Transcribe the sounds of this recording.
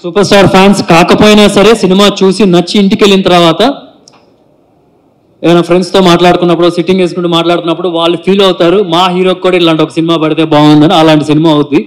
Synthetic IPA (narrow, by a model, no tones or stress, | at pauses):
suːpɐɾsʈaːɾpʰjaːnskaːkɐpoːjnaːsɐɾe̞ːsinimaːt͡ʃuːsinɐt͡ʃːiːɳʈike̞lːinɐt̪ɐɾɐʋaːt̪ɐ | eːʋɐnaːpʰɾe̞ɳɖst̪o̞ːmaːʈlaːɽut̪unːɐpːuɽosiʈːiŋɡe̞ːs̬kuɳʈumaːʈlaːɽut̪unːɐpːuɽuʋaːɭːupʰiːlɐwut̪aːɾumaːɦiːɾoːkːuːɽaiʈlaːɳʈɔkɐsinimaːpɐɽit̪e̞ːbaːɡund̪ɐniɐlaːɳʈisinimaːɐund̪i